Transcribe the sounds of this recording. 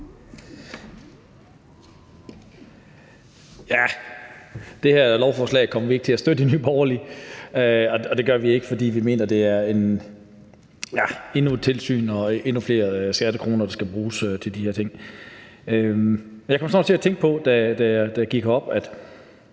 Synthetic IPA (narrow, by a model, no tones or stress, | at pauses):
jæ | d̥e̝hæɐ̰lɒʊfɒːslɛ̰ɪkʰɒ̽m̰ɐʋie̝ɡ̥ət͡sʰe̝læsd̥ød̥ə̥enyːb̥ɒʊɐliøɒ̽ɒ̽d̥e̝ɡ̥ɶɐʋie̝ɡ̥əfɒd̥ḭːʋime̝̰ːnɐd̥e̝æɐe̝n | jæe̝nut͡sʰe̝lsy̰ːnɒ̽ʔe̝nufle̝̰ːɐsɡ̥æd̥əkʰʁo̝ːnɐd̥ɑ̈sɡ̥æb̥ʁuːsøt͡sʰeld̥iheɐt͡sʰe̝ŋ̰ | ømmenjkʰɒ̽msɒnɒ̥̽t͡sʰe̝æt͡sʰeŋ̰ɡ̥̚pʰɒ̽d̥æd̥æjd̥æɡ̥iɡ̥ɐɒ̽b̥æd̥